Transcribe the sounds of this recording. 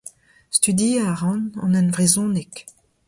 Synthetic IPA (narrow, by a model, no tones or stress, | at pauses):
st̪yd̪iaʁɑ̃nɑ̰̃nœnvʁezɔ̃nek